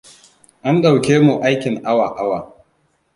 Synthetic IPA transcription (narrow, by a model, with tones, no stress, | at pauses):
ʔa˦nɗa˨wkʲeː˦mu˨ʔa˦jkʲɪ˨ŋʔa˦wa˨ʔa˦waː˨